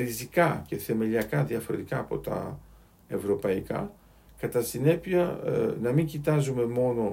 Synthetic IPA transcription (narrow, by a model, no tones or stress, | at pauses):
ɾizikɐce̞θe̞me̞liɐkɐðiɐfo̞ɾe̞t̪ikɐːpo̞t̪ɐ̰ | e̞vɾo̞pɐikɐ̰ | kɐt̪ɐsine̞piɐnɐmiɲɟit̪ɐzume̞mo̞no̞